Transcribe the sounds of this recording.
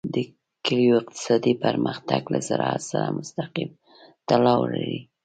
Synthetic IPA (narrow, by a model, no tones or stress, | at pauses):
d̪ə | kɪlijoɪqt̪ɪ̥sɑd̪ipəɾməxt̪aɡlazaɾɑat̪saɾamʊst̪aqim | t̪alɑwlaɾi